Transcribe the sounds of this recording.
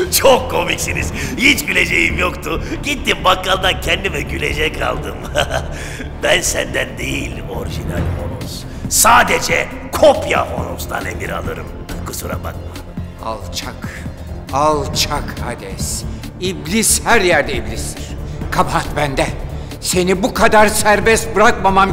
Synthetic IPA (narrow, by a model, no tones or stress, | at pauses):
t͡ʃʰokʰːo̞miksiniz̥hit͡ʃbilʲed͡ʒejimjokt̪ʰuɟ̥it̪ːimbakːalˠd̪ancʰɛnd̪imɛɟylʲe̞̰d͡ʒɛkʰa̰lˠd̪ɯm | bænsænd̪ænd̪ejilʲ | o̞ɾiʒina̰lʲhonos | saːd̪ed͡ʒɛ | kʰo̞pja̰fo̞nust̪ʰa̰nemiɾa̰lˠɯ̰ɾɯm | kʰɯsuɾa̰ba̰k̪̚ma | a̰lˠt͡ʃʰak | alˠt͡ʃʰakʰa̰d̪ɛsiblʲishæɾjæɾd̪ɛiblʲisd̪iɾ̥kʰapʰat̪bænd̪ɛ | se̞nibukʰad̪aɾsæɾbɛst̪bɯɾakmamam